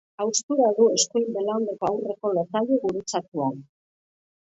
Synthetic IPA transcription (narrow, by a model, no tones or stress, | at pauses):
awst̪uɾaðue̞skojmbelaond̪ekoawre̞ko̞losaʎeɣuɾut͡sat̪uan